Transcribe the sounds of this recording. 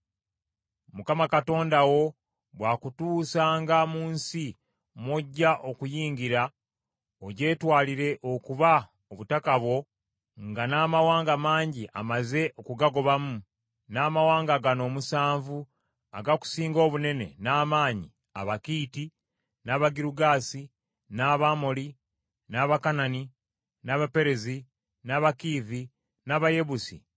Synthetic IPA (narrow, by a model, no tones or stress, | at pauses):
mukamakato̞ːndawo̞ | βwaːkutuːsaːŋɡamuːnsi | mwoɟːaʔo̞kujiːɲɡiɾa | oɟe̞ːtwaːliɾe̞ʔo̞kuβa | oβutakaβwo̞ | ŋɡanaːmawaːŋɡamaːɲɟiʔa̰maze̞ʔo̞kuɡaɡo̞βamu | naːmawaːŋɡaɡano̞ːmusaːɱvu | a̰ɡaku̥siːŋɡo̞ːβune̞ne̞̰naːmaːɲi | a̰βakiːti | naβaɡiɾuɡaːsi | naβamoli | naβakanani | naβape̞ɾe̞zi | naβakiːði | naβaje̞βusḭ